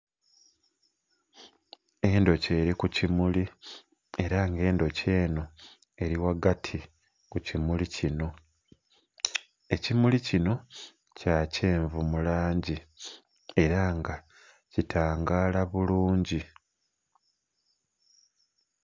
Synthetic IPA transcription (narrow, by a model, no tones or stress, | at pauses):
e̞ndo̞ce̞ːɾikucimuli | e̞ɾaŋɡe̞ːndo̞ce̞ːno̞ | e̞ɾiwaɡatʰi | kucimulicino̞ | e̞cimulicino̞ | caːce̞ːɱvumulaːɲɟi | e̞ɾaŋɡa | citʰaːŋɡaːlaβuluːɲɟi